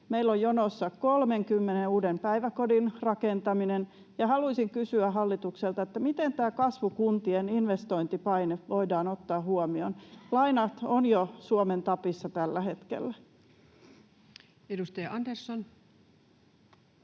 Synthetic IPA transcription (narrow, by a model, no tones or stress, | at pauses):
meilːojjonosːɑkolmeŋkymːeneuːdempæiʋækodinrɑkent̪ɑminen | jɑhɑluisiŋkysyæɦɑlːit̪ukselt̪ɑet̪ːæmit̪ent̪æːkɑsʋukunt̪ieninʋest̪oint̪ipɑineʋoidɑːnot̪ːɑːhuomionlɑinɑt̪onjosuoment̪ɑpisːɑt̪ælːæhe̞t̪kḛlːæ | edust̪ɑjɑʔɑnderson